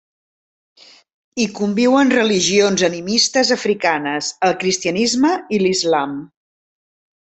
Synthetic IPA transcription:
ikumbiwənrəliʒionzənimist̪əzəfɾikanəzəlˠkɾist̪iənizməilizlam

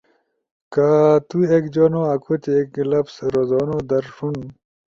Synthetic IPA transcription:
kat̪uekd͡ʑoːnoɐkot̪eklɐpsɾozɔːnod̪ɐɾʂun

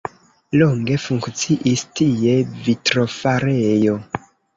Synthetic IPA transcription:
loŋɡe̞fuŋkt͡siʔistie̞vitɾo̞faɾejo̞

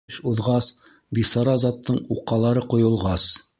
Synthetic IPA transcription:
ɕuðʁɑs | bisɑɾɑzɑt̪ːɤɴuqːɑlˠɑɾɤqŏjŏlˠʁɑs

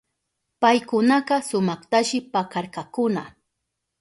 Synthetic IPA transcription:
pajkʊnaqɑsʊmɑχt̪aʃɪpakɑɾkɑkʊna

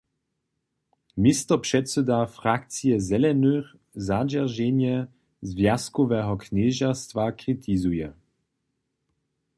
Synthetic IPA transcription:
mist̪ɔpʂɛtsɛd̪afʁak̚t͡sijɛzɛlɛnøx | zad͡ʒɛʁʒɛnjɛ | zvjaskɔvɛɦɔknɛːʒast̪vakʁit̪ʰizujɛ

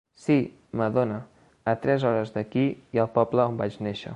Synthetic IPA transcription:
si | məðonəː | t̪ɾɛzɔɾəzðəkiiəlˠpɔbləombad͡ʒneʃə̰

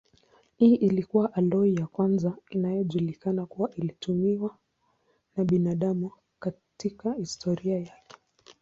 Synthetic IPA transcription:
iːʔilikuwaʔalɔijakwanzainajɔʄulikanakuwaʔilitumiwa | naɓinaɗamu | ka | tikahistʰɔɾiajakɛ̥

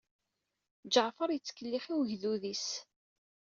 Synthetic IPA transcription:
d͡ʒəʕfəɾjət͡sːkːəlːiχiwʝðuðis

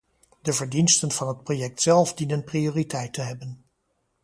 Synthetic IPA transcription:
dəvəɹdinstənv̥ɑnɦət̚projɛk̚tsɛlˠfdinənprioːritɛjtəɦɛbən

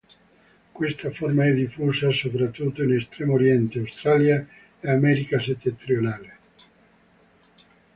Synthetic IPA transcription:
kwest̪aformaɛd̪ːifːuːsasopɾat̪ːut̪ːoinest̪ɾɛːmoɾjɛnt̪eawst̪ɾalja | eamɛɾikaset̪ːent̪ɾionaːle

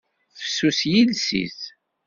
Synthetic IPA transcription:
fə̥sːusjilsḭz

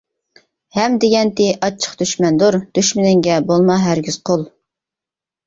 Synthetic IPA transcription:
hɛmd̪ɪɡʲɛnt̪ɪʔɑt͡ʃʰə̥χd̪yʃmɛnd̪oɾd̪̥yʃmɪnɪŋɡʲɛbolˠmɑɦæɾɡʲyz̥qʰolˠ

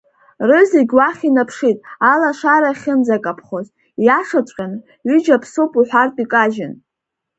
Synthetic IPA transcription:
rɨziɡʲwaχʲinapʰʂitʼalaʂaɾaχʲɪnd͡zakʼapʰχoz | jaʂat͡ʃʷʼqʲʼan | ɥyd͡ʒapʰsupʼuħʷᶣartʼikʼaʒɪn

